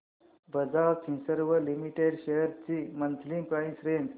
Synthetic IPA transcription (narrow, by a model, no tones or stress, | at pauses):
bəd͡zaɾkʰĩsəɾʋəlimiʈeɽɕejəɾt͡ɕimənt̪ʰlĩpɾaisɾend